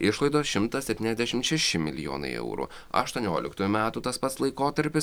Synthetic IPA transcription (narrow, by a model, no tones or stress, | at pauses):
ɪʃlˠɐɪd̪oːsʃʲɪmt̪ɐsʲɛpʲt̪ʲiːnɛzʲd̪ʲæɛʃʲɪmt̪ʃʲɛʃʲɪmʲɪlʲɪjo̰ːnɐ̰ɪɛ̰ʊɾṵː | ɐ̰ʃt̪uɔnʲoːlʲɪ̰kt̪uːjumʲæːt̪uːt̪ɐspɐt̪slˠɐɪkoːt̪ɐɾʲpʲɪs